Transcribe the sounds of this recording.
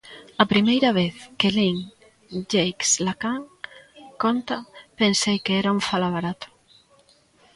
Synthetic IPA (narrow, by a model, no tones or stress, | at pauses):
ɐpɾimejɾɐβeθkeliŋ | d͡ʒejkslakaŋ | kont̪ɐpensejkeɛɾauɱfalaβ̞aɾat̪ʊ̥